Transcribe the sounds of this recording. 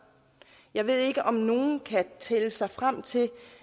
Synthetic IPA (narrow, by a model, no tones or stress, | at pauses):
jɑ̈ɪʋe̝ð̞̰ˠe̝ɡ̥əʔɒ̽mno̝ːn̩kʰæt͡sʰeləsɑ̈ɪfʁam̰t͡sʰe̝